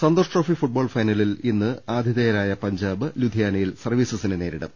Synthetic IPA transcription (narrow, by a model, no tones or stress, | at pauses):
sɐnd̪oːʂʈroːfifuʈ̚bo̞ːɭfɐjnɐlilinːɨaːd̪ʱjiðɐːjɐɾaːjɐpɐɲd͡ʑaːbɨlud̪ʱijaːnɐjilsɐrʋiːsɐsinɨne̞ːɾiɽɐ̰m